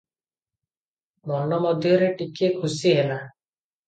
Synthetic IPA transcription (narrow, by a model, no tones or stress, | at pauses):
mɔnɔmɔd̪ʱjɔɾeʈikekʰusiɦela